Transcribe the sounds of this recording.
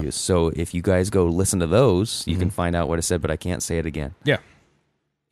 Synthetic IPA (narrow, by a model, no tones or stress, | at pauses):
ɨ̰̥soʊʔɪfjɨɡaɪzɡoʊlɪsn̩tʰɨðoʊz̥jɨ̰kɨ̃n̩fãɪ̃ndaʊʔ̚wʌɾɨsɛd̚bʌɾaɪkʰæ̰̃ntseɪɨɾɨɡɛ̰̃njæ